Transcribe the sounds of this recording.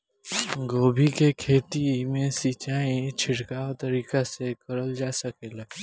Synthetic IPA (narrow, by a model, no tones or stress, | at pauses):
ɡoːbʱikekʰeːt̪imẽsiːt͡ʃaːĩt͡ʃʰɪʈkaːt̪ɐɾiːkasekɐɾəld͡ʒaːsəkeːla